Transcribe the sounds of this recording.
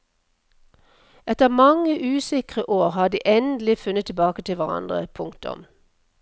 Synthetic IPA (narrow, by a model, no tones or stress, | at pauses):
ɛt̪əʁmɑŋəʔʉːsɪkʁəʔoːʁhɑːd̪ḭːʔɛnd̪l̩ɪfʉnət̪ʰːɪbɑːkət̪ʰɪlʋæʁɑ̰nd̪ʁə̰pʰʊŋkt̪ʊ̰m